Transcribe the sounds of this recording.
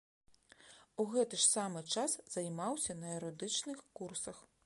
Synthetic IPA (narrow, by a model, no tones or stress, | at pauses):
uɣɛt̪ɨʂsamɨt͡ʂasz̥ɐjmawsʲɐnɐɛɾɔd̪ɨt͡ʂnɨxkursɐx